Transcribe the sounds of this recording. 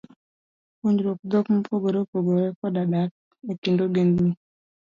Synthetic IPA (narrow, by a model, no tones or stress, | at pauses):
uɲd͡ʒɾok̚d̪ɔkm̩poɡoɾopoɡoɾɛkɔdadak̚ | ekindoɡendni